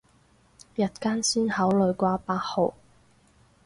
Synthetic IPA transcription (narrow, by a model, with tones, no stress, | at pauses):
jɐ˨t̚kaː˥nsiː˥nhɐ˨˥wlɵ˨˧ɥkʷaː˧˥paː˧t̚ho˨˩w